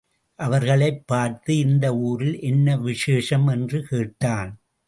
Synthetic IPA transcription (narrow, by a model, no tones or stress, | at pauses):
ʔɐʋɐɾɣɐɭɐɪpːaːɾt̪ɯɪnd̪ɐuːɾɪlʔɛnːɐʋɪʂeːʂɐmɛndrɯkeːʈːaːn